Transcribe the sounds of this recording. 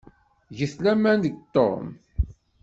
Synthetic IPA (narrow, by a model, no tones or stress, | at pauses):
ʝəθlæmænd̪əɡt̪ˤːo̰m